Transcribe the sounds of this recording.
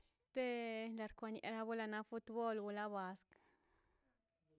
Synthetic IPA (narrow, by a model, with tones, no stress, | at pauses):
st̪e˦la˨ɾkʷa˨nḛ˨ɾa˧bu˦la˧na˦fu˧˦t̪bo˦lɡu˧la˦ba˨˧sk